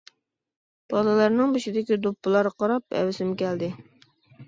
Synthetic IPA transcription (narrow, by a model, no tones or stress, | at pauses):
b̥ɑlˠɨlˠɑɾnɨŋbuʃid̪ɪkʲid̪upːɨlˠɑɾqɑɾɑpɛ̰wɪsɪmkʲɛld̪ɪ